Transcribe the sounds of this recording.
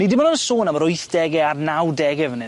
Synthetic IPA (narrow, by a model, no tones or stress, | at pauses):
nidɪmanʊnəsoːnaməɾʊjθd̥ɛɡɛarnawdɛɡɛvnɪ